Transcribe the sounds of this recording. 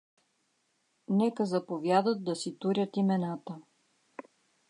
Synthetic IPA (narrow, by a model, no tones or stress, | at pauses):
nɛkəzɐpovjad̪ət̪̚d̪ɐsit̪uɾʲət̪imɛnat̪ə